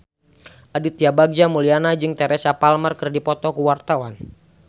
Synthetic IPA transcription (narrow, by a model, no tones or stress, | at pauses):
ʔadit̪̚ijabaɡ̚d͡ʒamulianad͡ʒɨŋt̪ɛɾɛsapalmərkɨrdipɔt̪ɔkuwart̪awan